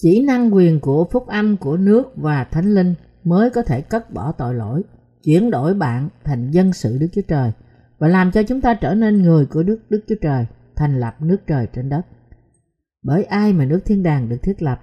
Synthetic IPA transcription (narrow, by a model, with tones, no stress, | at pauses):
t͡ɕi˧˩na˧ŋkwi˨˩ənku˧˩əfʊ˦˥k͡p̚ʔa˧mku˧˩ənɨ˦˥ək̚vaː˨˩t̪ʰa˨˦jŋ̟lï˧ŋ̟ | məː˨˦jkɔ˨˦t̪ʰe˧˩kə˦˥t̚ɓɔ˧˩t̪o̰˧˨jlo̰˧˥˨j | t͡ɕwi˧˩ənɗo̰˧˩jɓa̰ː˧˨nt̪ʰa˨˩jŋ̟zə˧nsɨ̰˧˨ɗɨ˦˥k̚t͡ɕu˧˦ə˦t͡ɕəː˨˩j | vaː˨˩laː˨˩mt͡ɕɔ˧t͡ɕʊ˨˦ŋ͡mt̪aː˧t͡ɕəː˧˩ne˧nŋɨ˨˩əjku˧˩əɗɨ˦˥ək̚ɗɨ˦˥k̚t͡ɕu˨˦ət͡ɕəː˨˩jt̪ʰa˨˩jŋ̟lə˨˩p̚nɨ˦˥ək̚t͡ɕəː˨˩jt͡ɕe˧nɗə˦˥t̚ | ɓəː˧˩jʔaː˧jmaː˨˩nɨ˦˥ək̚t̪ʰi˧ənɗaː˨˩ŋɗɨ˨˩ək̚t̪ʰi˦˥t̚lə˨˩p̚